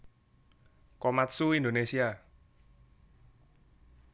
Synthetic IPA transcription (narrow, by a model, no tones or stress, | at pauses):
kɔmat̪suind̪onesia